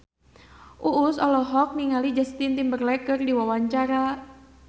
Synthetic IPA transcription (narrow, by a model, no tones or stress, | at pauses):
ʔuʔːsɔ̰lɔɦɔk̚niŋalid͡ʒast̪int̪imbərlɛkɨrdiwawaɲt͡ʃaɾa